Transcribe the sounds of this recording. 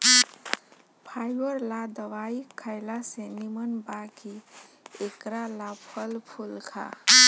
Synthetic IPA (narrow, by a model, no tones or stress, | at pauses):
pʰajbəɾlad̪əʋaikʰaɪlasenimənbaki | ekɾalapʰəlpʰulkʰa̰